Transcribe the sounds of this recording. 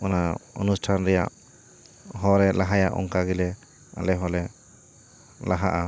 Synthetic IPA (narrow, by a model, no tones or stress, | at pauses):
ɔnaɔ̰nusʈʰanɾɛja̰ʔ | ɦɔɾɛlaɦajaʔɔ̰ŋkaɡilɛ | a̰lɛɦɔlɛ | laɦaʔa